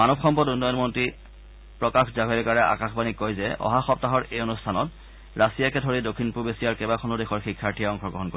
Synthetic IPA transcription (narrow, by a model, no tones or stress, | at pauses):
manɔbxɔmpɔtunɔjɔnmɔntɹi | pɹɔkaxzabʱɔlɛkaɹɛʔa̰kaxbanikojzɛɔ̰ɦaxɔp̚taɦɔɹejonustʰanɔt | ɹasijakɛdʱɔɹidokʰːinpubesijaɹkɛbaxʰɔnudexɔɹxikʰːaɹtʰijaɔŋkʰɔɡɹɔɦɔnkoi